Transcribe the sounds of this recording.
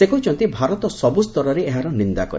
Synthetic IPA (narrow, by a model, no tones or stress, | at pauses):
ekɔwt͡ʃʰɔnt̪ibʱaɾɔt̪ɔsɔbust̪ɔɾɔɾeeɦaɾɔnind̪akɔ̰ɾ